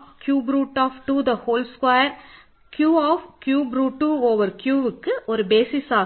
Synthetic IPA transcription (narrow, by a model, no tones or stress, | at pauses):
kjuːbɾuːʈːɔːfʈud̪ɐhoːlskwɐjɐɾ | kjuːɔːfkjuːbɾuːʈːuoːʋɐɾkjuːʋɯkːɯʔɔɾɯbeːsɪsaː